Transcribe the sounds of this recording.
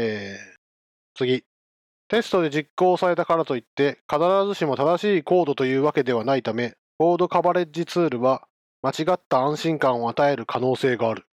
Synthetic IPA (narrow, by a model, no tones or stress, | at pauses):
eː | t͡sɨɡʲi | t̪e̞sɨ̥t̪o̞d̪e̞d͡ʑikːo̞ːsaɾe̞t̪akaɾat̪o̞it̪ːe̞kanaɾaɾazɨɕimo̞t̪ad̪aɕiːko̞ːd̪o̞t̪o̞jɯ̟ːβake̞d̪e̞βanait̪ame̞ | bo̞ːd̪o̞kabaɾe̞ʑit͡sɨːɾɯ̟βa | mat͡ɕiɡat̪ːaːãɰ̃ɕĩŋkãɰ̃o̞at̪ae̞ɾɯ̟kʰano̞ːse̞ːɡaːɾɯ̟